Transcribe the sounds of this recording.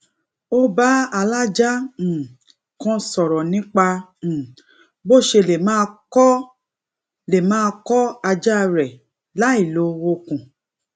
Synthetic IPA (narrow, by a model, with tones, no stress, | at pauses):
o˦ba˦a˧la˦d͡ʒã˦˨ | kɔ̃˧sɔ˨ɾɔ˨nĩ˨˦k͡pã˧˨ | bo˦˨ʃe˧˦˨le˨mã˦˧ | ɔ˦ | le˨mãː˦˧kɔ˦a˧d͡ʒa˦˧ɾɛ˨ | la˨˦i˦˨lo˨˧˦wo˧kũ˨